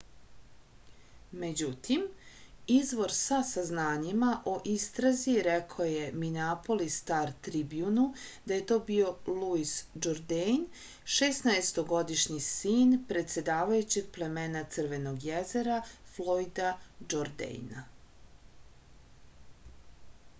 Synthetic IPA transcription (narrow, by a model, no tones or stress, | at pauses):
me̞d͡ʑut̪imizʋo̞ɾsasaznaːɲimaʔo̞ʔist̪ɾaziɾekʰaoje̞minapo̞list̪aɾt̪ɾibjunud̪aje̞t̪o̞ːbio̞luisd͡ʒoɾd̪ejn | ʃesnaest̪o̞ɡo̞d̪iʃɲisiːnpɾe̞t̪se̞d̪aːʋajut͡ɕeɡ̚ple̞meːnat̪sɨr̩ʋe̞no̞ɡjezeɾaflˠo̞id̪ad͡ʒoɾd̪ḛjna